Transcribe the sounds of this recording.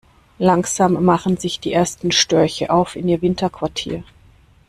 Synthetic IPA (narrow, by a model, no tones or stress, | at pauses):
laŋz̥aːmːaχn̩zɪçd̥iːʔeːɐstn̩ʃtœɐçəʔaʊfɪniːɐvɪntʰɐkv̥aɐtʰḭːɐ